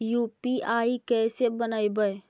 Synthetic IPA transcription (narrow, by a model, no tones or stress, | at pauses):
juːpiʔaːikɛːsebənaːibəe